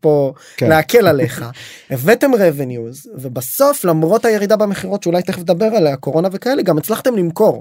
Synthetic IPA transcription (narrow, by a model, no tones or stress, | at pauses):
po̞ | leake̞lale̞χaevete̞mʁevenjuzvebaso̞flamʁo̞thaje̞ʁid̪abemeχiʁo̞tʃeulajt̪eχfed̪abe̞ʁalako̞ʁo̞nave̞kae̞leɡamet͡slaχt̪e̞mlimko̞ʁ